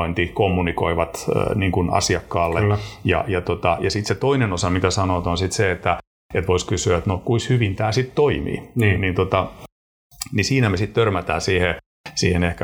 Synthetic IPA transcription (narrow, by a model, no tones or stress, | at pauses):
oint̪ikomːunikoiʋɑt̪niːŋkunɑ̰siɑkːɑːlːejɑ̰jɑt̪ot̪ɑjɑsit̪set̪oinenosɑmit̪æsɑnot̪onsit̪seet̪ːæ | et̪ʋoiskysyæet̪nokuishyʋint̪æːsit̪t̪oimḭːninint̪ot̪ɑ | nisiːnæmesit̪t̪ørmæt̪æ̰ːsiːhe | siːhenehkæ